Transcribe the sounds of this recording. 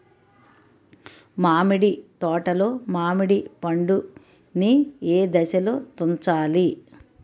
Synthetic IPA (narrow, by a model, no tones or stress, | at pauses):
maːmiɽit̪ɔːʈɐloːmaːmiɽipɐɳɖu | nieːd̪ɐʃɐloːt̪ont͡ʃaːli